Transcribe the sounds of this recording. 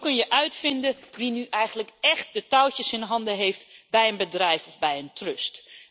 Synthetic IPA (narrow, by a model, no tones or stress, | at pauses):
kɵnjəʔœɥtfɪndəʋinyʔɛjχənləkɛχt̚dətawcəsɪnɦɑndəɦejftbɛjənbədrɛjfɔvbɛjəntrɵst